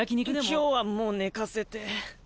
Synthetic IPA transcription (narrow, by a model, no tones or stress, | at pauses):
akʲiɲʲikɯd̪emkoːβamoːne̞kase̞t̪e